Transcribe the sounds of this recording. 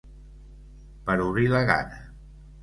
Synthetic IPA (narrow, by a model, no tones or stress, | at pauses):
pəɾuβɾiləɣa̰nə